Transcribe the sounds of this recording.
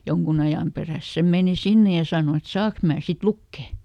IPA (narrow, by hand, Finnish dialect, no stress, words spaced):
joŋkun ɑjɑˑm peræˑs se meˑni sinːe jɑ sɑˑno et sɑːk mæː sit lukːe